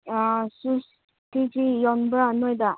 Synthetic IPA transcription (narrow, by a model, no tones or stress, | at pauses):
sus | tid͡ʒijɔnbənɔjd̪a